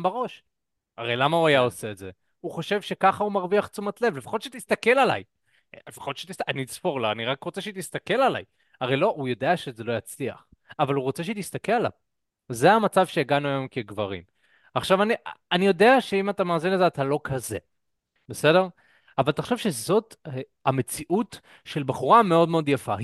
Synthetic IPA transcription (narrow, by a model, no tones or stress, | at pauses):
mbaʁo̞ʃ | aʁe̞jlamauajao̞se̞ːtze̞ | uχo̞ʃe̞vʃe̞kaχaumaʁviaχt͡sumat̪le̞vle̞fḁχo̞t̪ʃet̪ist̪ake̞lala̰j | lefḁχo̞t̪ʃet̪istaanit͡spo̞ʁlaaniʁakʁot͡seʃet̪ist̪ake̞lala̰j | aʁejlo̞ʔujo̞d̪e̞aʃezelo̞jat͡slia̰χ | avaluʁo̞t͡se̞ʃeit̪ist̪ake̞lala̰v | zeamat͡savʃejeɡanuajo̞mkeɡvaʁḭm | aχʃavanianijo̞de̞aʃeimatamaːzinlezeat̪alo̞kʰaze̞ | bese̞de̞ʁ | avalt̪aχo̥ʃevʃe̞zo̞t | ame̞t͡siʔut | ʃe̞lbaχuʁame̞o̞dme̞o̞d̪jafa̰